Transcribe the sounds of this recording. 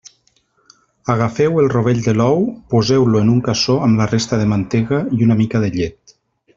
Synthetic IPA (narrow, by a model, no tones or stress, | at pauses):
aɣ̞afɛwelˠroβ̞eʎd̪elɔwpozewloenuŋkasoamlarest̪aðemant̪eɣaiunamikaðeʎet̪